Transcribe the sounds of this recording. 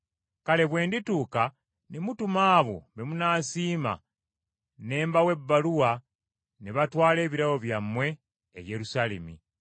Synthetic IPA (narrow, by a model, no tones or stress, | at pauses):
kale̞βwe̞ːndituːka | nemutumaːβo̞̰mbe̞munaːsiːma̰ | ne̞ːmbawe̞bːaluwa | neβatwaːle̞ːβiɾawo̞βjamːwe̞̰ː | je̞ɾusaːlemḭ